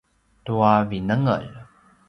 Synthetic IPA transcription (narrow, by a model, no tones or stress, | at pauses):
tuavinəŋə̰ɭ